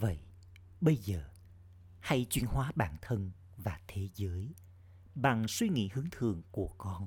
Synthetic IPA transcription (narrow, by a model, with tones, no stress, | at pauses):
və̰˧˨jʔ | ɓə˧jzəː˨˩ | ha˧jt͡ɕwi˧ənhwaː˨˦ɓaː˧˩nt̪ʰə˧n | vaː˨˩t̪ʰe˨˦zəː˨˦j | ɓa˨˩ŋswi˧ŋḭ˧˥hɨ˨˦əŋt̪ʰɨ˨˩əŋku˧˩əkɔ˧n